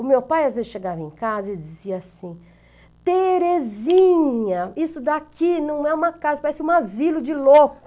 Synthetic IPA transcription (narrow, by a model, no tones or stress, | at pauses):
ʊmewpajazvezɪsʃeɡavɐẽkazɐɪd͡ʒɪziɐasĩ | t̪eɾezĩɲɐisʊd̪akinɐ̃w̃ɛũmɐkazɐpaɾɛsɪũazilʊd͡ʒɪlokʊ